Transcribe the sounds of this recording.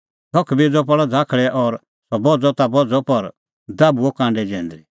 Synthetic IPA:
t̪ʰɔkʰbid͡zɔp̬ɔɽɔd͡zʱaːkʰɭɛʔɔːɾ | sɔbɔd͡zɔt̪abɔd͡zɔpɐɾ | d̪aːbuɔkãːɳɖɛd͡ʒɛ̃ːnd̪ɾi

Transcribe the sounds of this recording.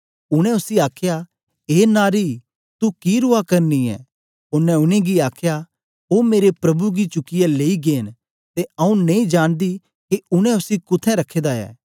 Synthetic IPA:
ʊɽ̃ɛ̃ʊsiaːkʰja | eːnaːɾi | t̪ukiɾʊakɐɾniɛ̰ː | ʊnɛ̃ʊnẽɡiaːkʰja | ɦoːmeːɾepɾɐbuɡit͡ʃʊkɪjaleːiɡeːn | t̪eɐũnẽĩd͡ʒaːɽ̃d̪i | keʊɽ̃ɛ̃ʊsikʊt̪ʰɛ̃ɾɐkʰːeːd̪aɛ̰ː

